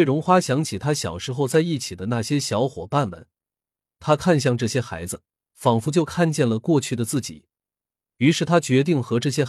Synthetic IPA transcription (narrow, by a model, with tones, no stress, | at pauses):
wɪɻʊ˧˥ŋxwa˥ɕjɑ˧˥ŋt͡ɕʰi˨˩t̪ʰa˥ɕjɑ˨˩ʊʂɻ̩˧˥xo˥˧ʊt͡sa˥˧ɪi˥˩t͡ɕʰi˨˩d̪ə˦na˥˩ɕjɛ˥ɕjɑ˧˥ʊxwɔ̰˨˩pa˥˩nmə̰˩n | t̪ʰa˥kʰa˥˧nɕ̬jɑ˥˧ŋʈ͡ʂɤ˥˩ɕjɛ˥xa̰˧˥ɪd͡zɹ̩˧ | fɑ˨˩ŋfu˧˥t͡ɕjo˥˧ʊkʰa˥˧nt͡ɕjɛ˥˩nlə˩kwɔ˥˧t͡ɕʰy˥˩d̪ə˩t͡sɹ̩˥˩t͡ɕḭ˨˩˦ | y˧˥ʂɻ̩˥˩t̪ʰa˥t͡ɕɥɛ˧˥t̪i˥˩ŋxɤ˧˥ʈ͡ʂɤ˥˩ɕ̬jɛ˥